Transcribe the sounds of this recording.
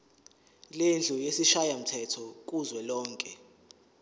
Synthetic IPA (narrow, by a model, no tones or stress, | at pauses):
lend͡ɮʱujesiʃajam̩tʰɛtʰɔk̬ʼuzwɛlɔːŋkʼɛ